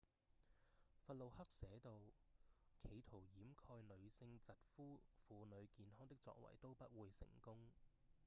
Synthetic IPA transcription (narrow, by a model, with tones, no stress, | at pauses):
fɐ˨t̚lo˨whɐ˥k̚sɛː˨˥t̪o˨w | kʰe˨˧jt̪ʰo˨˩wjiː˨˥mkʰɔː˧jlɵ˨˧ɥsɪ˧ŋt͡sɐ˨t̚fuː˥fuː˨˧nɵ˨˧ɥkiː˨˧nɦɔː˥ŋt̪ɪ˥k̚t͡sɔ̰ː˧k̚wɐ̰˨˩jt̪o˥wpɐ˥t̚wuː˨˧jsɪ̰˨˩ŋkʊ˥ŋ